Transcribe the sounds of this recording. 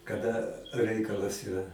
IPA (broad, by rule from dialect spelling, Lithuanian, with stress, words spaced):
kɐˈdɐ ˈrʲɛɪkɐlˠɐs ɪˈrɐ